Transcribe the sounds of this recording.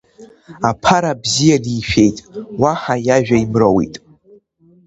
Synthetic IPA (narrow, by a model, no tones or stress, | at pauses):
apʰaɾabzijadiːʃᶣe̞jtʼwaħajaʒᶣaimrowḭtʼ